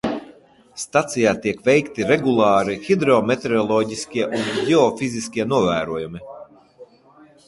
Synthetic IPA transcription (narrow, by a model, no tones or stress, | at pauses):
st̪at̪sijaːt̪iɛkvɛjkt̪iɾɛɡulˠɑːɾixid̪ɾɔmet̪eɾɔlˠɔːɟiskʲiɛʔunɟeɔfiziskʲiɛnuɔvæːɾuɔjumi